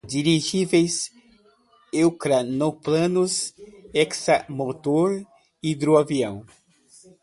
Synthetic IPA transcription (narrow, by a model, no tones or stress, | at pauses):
d͡ʒiɾiʒivejs | ewkɾanoplɐ̃nʊsɛksamot̪oɾ | id̪ɾuaviɐ̃w̃